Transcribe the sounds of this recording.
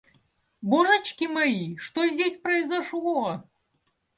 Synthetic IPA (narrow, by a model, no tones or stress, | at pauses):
boʐɨt͡ɕkʲimɐjiʂt̪ozʲdʲesʲpɾɐɪzɐʂlˠɔ